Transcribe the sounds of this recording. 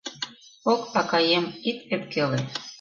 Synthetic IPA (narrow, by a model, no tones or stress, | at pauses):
okɑkɑjemit̪̚ep̚kele